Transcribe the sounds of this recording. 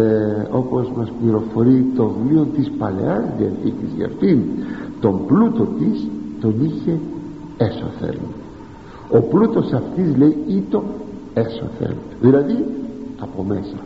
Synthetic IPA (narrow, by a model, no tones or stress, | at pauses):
opozmaspliɾofoɾit̪oðliont̪ispalḛaɾðiḛnθikiza̰ɾθint̪omplut̪ot̪ist̪oniçe | esoa̰θḛl | oplut̪osaft̪izlejit̪o | eso̰θḛl | ðilaðiapomesa